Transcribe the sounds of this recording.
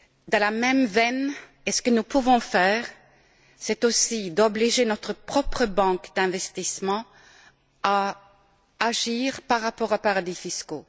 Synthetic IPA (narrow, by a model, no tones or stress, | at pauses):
d̪ɑ̃lamɛmvɛn | esə̥kənupuvɔ̃fɛːʁ | sɛt̪osid̪ɔbliʒenɔt̪χəpχɔpχəbɑ̃ːkd̪ɛ̃vɛst̪ismɑ̃ | aː | ʒiːʁpaʁːapɔʁopaʁad̪ifisko